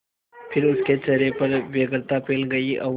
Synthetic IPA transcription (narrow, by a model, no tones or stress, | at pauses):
pʰɪɾʊsket͡ʃɐɾepɐɾʋjeɡɾt̪apeːlɡɐiʔɐʋ